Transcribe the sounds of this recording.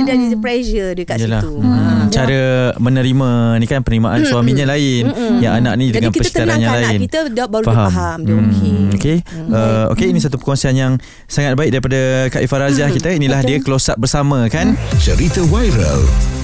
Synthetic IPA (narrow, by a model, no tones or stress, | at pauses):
dadipɾɛʃədəkaijəlaht͡ʃaɾəmənəɾimãnikanpərnəimaʔansuamĩɲãlaɪnjaŋana̰ʔ̚nidəŋanpərsi̥t̪aɾɾanɲãlaɪnkiədabaɾufaɦaamɦam̩okeəo̰keinisat̪̬upərkonsianjaŋ | saŋat̪̚baɪk̚daɾipadəkaʔifaɾazahkit̪əinilahddiəkəlosaʔ̚bərsamə̃kant͡ʃəɾit̪awajɾə̰l